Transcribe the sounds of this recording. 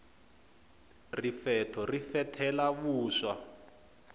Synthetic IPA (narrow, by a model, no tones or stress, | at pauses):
rifɛtʰɔrifɛtʰɛlaβuːʃa